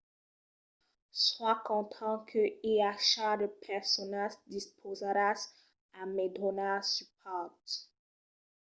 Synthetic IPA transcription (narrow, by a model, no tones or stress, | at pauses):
swakɔ̃t̪ʰɑ̃kʰəiaʃad̪əpʰɛʁsɔnaʒd̪ispʰozaɾas | amed̪ɔnasyp̚ʰɔt̪